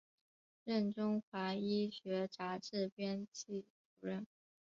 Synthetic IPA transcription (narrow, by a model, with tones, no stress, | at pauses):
ɻə˥˩nʈ͡ʂʊ˥ŋxwa˧˥i˥ɕɥɛ˧˥ʈ͡ʂa˧˥ʈ͡ʂɻ̩˥˩pjɛ˥nt͡ɕʰi˥˩t͡su˨˩ɻə˥˩n